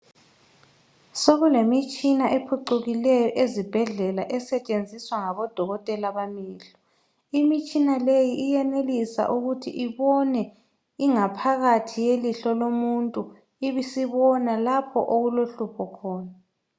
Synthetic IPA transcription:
soɣulemit͡ʃʼinaʔepʰuǃuɣilɛjɔʔezib̥ʱɛɮɛlaʔɛsɛt͡ʃʼend͡zʱiswaŋaβɔd̥ʱɔɣɔtʼɛlaβamiːɬɔ | imit͡ʃʼinalejiʔːjɛnelisa̰ʔuɣutʰḭʔiβɔnɛ | iŋapʰaɣatʰijeliɬɔlomuntʼu | iβisiβɔnalapʰɔ̰ʔoɣuloɬupʰɔkʰɔːna

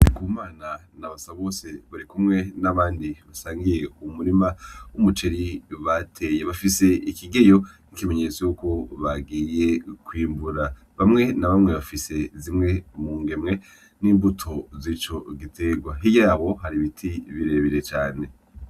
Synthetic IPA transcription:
kuːmaːnanaβasaβo̞ːse̞βaɾikumŋe̞naβaːndiβasaːŋɡije̞umuɾimaumut͡ʃeɾiβatʰe̞jeβafise̞ikiɡe̞jo̞nikime̞ɲe̞t͡sojuko̞βaɡiːje̞kwiːmbuɾa | βamŋe̞naβamŋeβafise̞zimŋe̞muːŋɡe̞mŋe̞ | niːmbutʰo̞zit͡ʃo̞ɡitʰe̞ɡwaɦijaːβo̞ɦaɾiβitʰiβiɾe̞βiɾe̞t͡ʃaːne̞

